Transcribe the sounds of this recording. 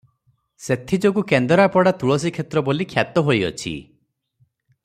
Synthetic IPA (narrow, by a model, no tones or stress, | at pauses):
set̪ʰid͡ʒɔkukend̪ɔɾapɔɽat̪uɭɔs̬ikʰet̪ɾɔbolikʰjat̪ɔɦojɔ̰t͡ʃʰḭ